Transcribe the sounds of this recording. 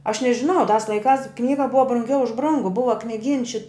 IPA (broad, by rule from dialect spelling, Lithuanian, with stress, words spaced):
ɐʃ nʲɛʒʲɪˈnɐʊ tɑːs lˠɐɪˈkɑːs ˈknʲiːɡɐ ˈbʊʋɐ brʊŋʲˈɡʲɛʊ ʊʃ ˈbrʊŋɡʊ ˈbʊʋɐ knʲɪˈɡʲiːns ʃʲɪ